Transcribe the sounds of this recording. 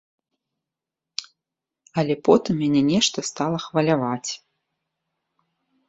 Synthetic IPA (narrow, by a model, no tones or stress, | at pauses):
ɐlʲɛpɔt̪ɨmːʲanʲɛnʲɛʂt̪ɐst̪alˠɐxvɐlʲavat͡sʲ